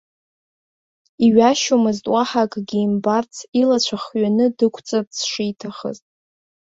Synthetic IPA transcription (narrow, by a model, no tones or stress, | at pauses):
iɥaʃomɨztʼwaħakʼɡʲiːmbart͡sʰilat͡ɕʷʰaχɥanɨdɨkʷʰt͡sʼap̚ʼsʂitʰaχə̰ztʼ